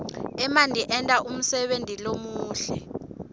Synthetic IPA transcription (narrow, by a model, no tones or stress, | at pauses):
ɛmandʱiʔɛntʼaʔum̩sɛɓentʼilomuːɬɛ